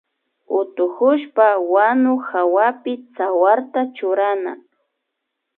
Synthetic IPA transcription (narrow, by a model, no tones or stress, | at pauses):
ʊt̪ʊhʊʃpawanʊxawapɪt͡sawaɾt̪at͡ʃʊɾana̰